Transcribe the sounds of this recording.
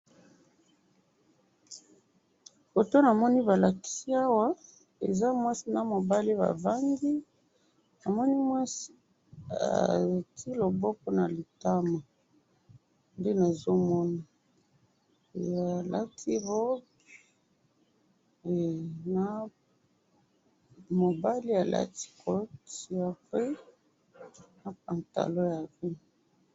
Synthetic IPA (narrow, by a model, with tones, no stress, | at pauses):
fo˨to˦na˨mɔ˦ni˦ba˨la˨ki̥˨si˦a˦wa˦ | ḛ˨za˦mwa˦si˦na˨mo˨ba˦le˦ba̰˨va˦ŋɡi˦ | na˨mɔ˦ni˦mwa˦si˦ | a̰˨tʰi˦lo˨bɔ˦po˦na˨li˨ta˦ma˨ | nde˦na˨zo˦mɔ˦na˨ | a˨la̰˦tʰi˦ʁɔ˦b | e˨na˨ | mo˨ba˦li˦a˨la̰˦ti̥˦kʰɔ˦tja˨pe˦ | na˨p̚a˨nta̰˨lo˦ja˨ve˦˨